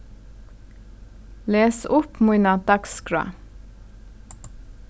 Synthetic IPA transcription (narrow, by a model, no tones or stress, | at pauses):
leːsʊpmʊʏnɑːt̪ɑkskɹɑ̰